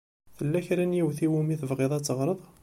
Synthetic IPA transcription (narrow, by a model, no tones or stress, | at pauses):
θəlːæçɾænjiwθiwumiθəvʁeðˤɑt͡sːəʁɾˤəðˤ